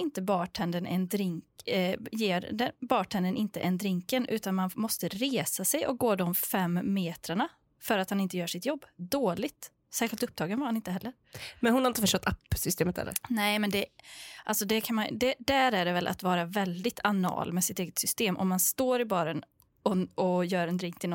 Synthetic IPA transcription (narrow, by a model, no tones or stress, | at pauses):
ɪnt̪əbɑːʈʰɛnd̪ənʔɛ̰nd̪ɾɪŋkjeːɾd̪ɛbɑːʈʰɛnd̪ənʔɪnt̪əʔɛnd̪ɾɪŋkənʔʉ̟ːt̪anmanmɔst̪əɾeːsasɛjɔ̰k̚ɡoːd̪ɔmfɛmːeːt̪ɾəɳa | fœɾat̪hanɪnt̪əjœːʂɪt̪jɔbːd̪oːlɪɡ̚t̪ | sæːɾɧɪlt̪ɵp̚t̪ʰɑːɡənvaɾhanɪnt̪əɦɛlːəɾ | mɛnhʊnhaɾɪnt̪əfəʂʈɔt̪ːapːsʏst̪eːmət̪hɛ̰ːə̰ɾnɛɪmɛnd̪ɛʔalsɔd̪ɛkʰanmand̪ɛd̪æɾæɖɛvɛlʔa̰t̪vɑːɾavɛld̪ɪt̪ʰanɑ̰ːlmɛsɪt̪eːɡət̪sʏst̪eːmʔɔ̰mːanst̪oːɾɪbɑːɾən | ɔɔjœːɾɛnd̪ɾɪŋk̚t̪ʰɪl